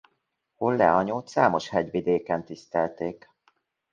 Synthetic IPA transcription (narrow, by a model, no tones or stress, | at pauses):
holːɛ̰ɒɲoːt̪saːmoʃhɛɟʋid̪eːkɛnt̪ist̪ɛlt̪eːk